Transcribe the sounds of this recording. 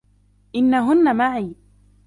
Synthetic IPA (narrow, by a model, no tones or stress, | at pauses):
ʔɪnːaɦʊnːamaʕiː